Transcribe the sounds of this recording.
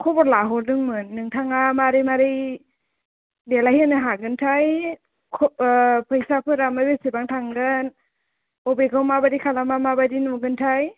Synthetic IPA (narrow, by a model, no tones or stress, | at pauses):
kʰɔbɔɾlaɦɔɾdɯŋmɯnːɯŋtʰaŋamaɾɯjmaɾɯj | delajhɯnɯɦaɡɯntʰaj | kʰpʰɯjsapʰɯɾamɯbesibaŋtʰaŋɡɯn | ɔbekʰawmabadikʰalamamabadinɔɡɯntʰaj